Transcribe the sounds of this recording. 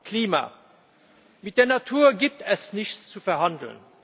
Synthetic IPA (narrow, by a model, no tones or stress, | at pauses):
kʰliːma̰ː | mɪt̚d̥eːɐnatʰuːɐɡiːp̚tɛsnɪçt͡st͡sufɛɐɦɑndl̩̰n